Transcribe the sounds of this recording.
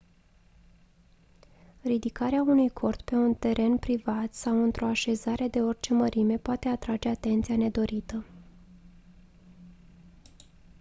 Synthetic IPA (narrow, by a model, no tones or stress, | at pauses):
rid̪ikaɾeaunujkʰo̞rt̪pe̞unt̪e̞ɾʔe̞npɾivat̪sawɨnt̪ɾo̞aʃe̞zaɾe̞d̪e̞o̞rʲt͡ʃe̞məɾʔime̞poat̪eat̪ɾad͡ʒe̞at̪e̞nt̪siane̞d̪o̞ɾit̪ə